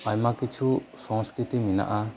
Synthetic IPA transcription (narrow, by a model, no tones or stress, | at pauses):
aɲmakit͡ʃʰusɔ̃ŋskɾit̪imina̰ʔa